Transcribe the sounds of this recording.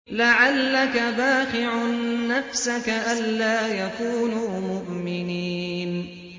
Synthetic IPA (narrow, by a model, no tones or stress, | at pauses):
laʕalːakabaːxɪʕnːafsakaʔalːaːjakuːnuːmʊʔmɪniːn